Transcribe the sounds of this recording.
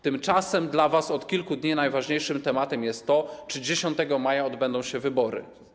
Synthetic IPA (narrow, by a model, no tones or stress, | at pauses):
t̪ɘmt͡ʂasɛmd̪lavasɔt̪kʲilkud̪ɲinajvaʐɲejʂɘmt̪ɛmat̪ɛmjɛst̪ːɔt͡ʂɘd͡ʑeɕɔnt̪ɛɡɔmajaɔd̪bɛnd̪ɔ̃w̃ɕɛvɘbɔɾɘ̰